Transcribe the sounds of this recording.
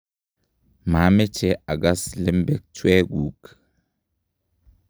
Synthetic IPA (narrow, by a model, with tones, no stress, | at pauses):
ma˨˦mɛ˦t͡ʃɛ˨ʔa˨ɡa˦slɛ˦mbɛ˦k̚twɛ˦ɡu˨k